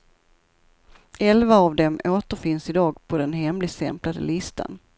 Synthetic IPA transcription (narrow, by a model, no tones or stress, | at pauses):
ɛlvaːvd̪ɛmoːt̪əɾfɪnsɪd̪ɑːɡpʰɔd̪ɛnɦɛmlɪɡsɛ̰mplad̪ə̰lɪst̪ʰa̰n